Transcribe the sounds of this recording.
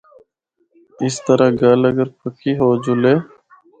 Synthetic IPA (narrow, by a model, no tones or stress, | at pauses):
ɪst̪əɾaɡəːləɡəɾpəkʰiːɦoːd͡ʒʊleː